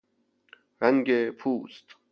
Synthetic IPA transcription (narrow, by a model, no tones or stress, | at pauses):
ɾæŋɡepʰuːst̪